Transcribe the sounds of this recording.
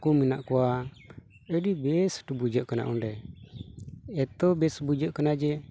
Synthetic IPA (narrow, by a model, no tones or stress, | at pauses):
kuminaʔkɔwa | əɖibɛsʈubud͡ʒəʔkana̰ʔunɖɛ | ɛt̪ɔbɛsbud͡ʒəʔkanad͡ʒɛ